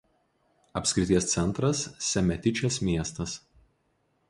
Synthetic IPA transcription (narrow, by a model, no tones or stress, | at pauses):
ɐpʲsʲkʲɾʲɪt̪ʲiɛst̪sʲɛnˑt̪ɾɐsːʲɛmʲɛt̪ʲɪt͡ʃʲɛsmʲiɛst̪ɐs